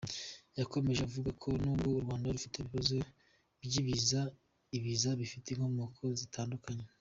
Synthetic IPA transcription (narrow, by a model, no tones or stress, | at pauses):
jako̞me̞ʒeavuɡakʰo̞nuːbɡo̞uɾɡwaːndaɾufiteβiβazo̞ | bjiβiza | iβizaβifiteŋhomokʰo̞zitʰaːndukaɲe